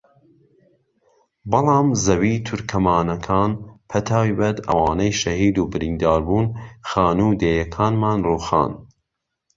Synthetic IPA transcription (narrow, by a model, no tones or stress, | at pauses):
bɨlˠɑːmzɐwiːt̪ʰʊɾkʰɐmaːnɐkʰaːnpʰɐt̪ʰaːwjbɐt̪ʰɐ̰wɑːnɐjʃɐhiːd̪uːbɨɾiːnd̪ɑːɾbuːnxaːnuːd̪eːjɐkʰaːnmaːnruːxa̰ːn